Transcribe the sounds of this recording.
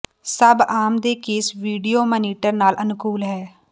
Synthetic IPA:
səbaːmd̪eːkeːsʋiːɖioːməniːʈəɾnaːlʔənkuːlɦɛː

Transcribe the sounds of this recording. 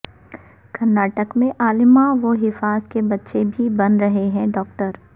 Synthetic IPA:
kɐɾnːaːʈəkmẽʔaːlɪmãʋoɦɪfaːzkebɐtːʃebʱibɐnɾɐɦeɦɛ̃ɖɔːk̚ʈəɾ

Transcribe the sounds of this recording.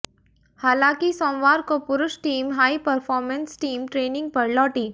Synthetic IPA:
haːlaːkisɔ̃ːʋaːɾkopʊɾʊʃʈiːmɦaːipəɾfɔːɾmə̃nsʈiːmʈɾeːnɪ̃ŋɡ̚pɐɾlɔːʈiː

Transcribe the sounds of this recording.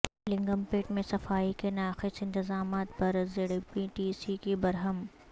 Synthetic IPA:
lɪ̃ŋɡəmpeːʈmẽsɐfaːikenaːxɪsɪ̃nt̪ɪzaːmaːt̪pɐɾzɪɽipiʈiːsikibɐɾɦəm

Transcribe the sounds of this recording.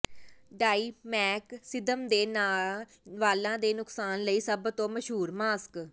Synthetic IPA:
ɖaːiːmɛːksɪd̪əmd̪eːnaː | ʋaːlãːd̪eːnʊksaːnləiːsəbt̪õːməʃɦuːɾmaːsk

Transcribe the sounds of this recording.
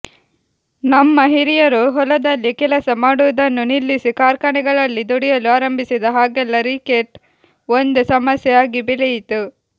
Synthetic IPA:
nɐmːɐɦiɾijɐɾuɦɔlɐd̪ɐlːikɛlɐsɐmaːɽuʋɐd̪ɐnːunilːisikaːɾkaɳɛɡɐɭɐlːid̪uɽijɐluaːɾɐmbʱisid̪ɐɦaːɡɛlːɐɾikeʈ | ond̪usɐmɐsjɛjaːɡibilɛjit̪u

